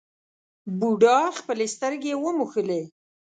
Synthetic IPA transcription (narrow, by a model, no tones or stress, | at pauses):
buɖɑxpəlest̪əɾɡewəmuxəle